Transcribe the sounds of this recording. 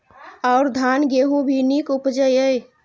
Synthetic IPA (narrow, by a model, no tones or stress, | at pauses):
ɔʊɾd̪ʱanɡeɦũbʱinikupd͡ʒəjəj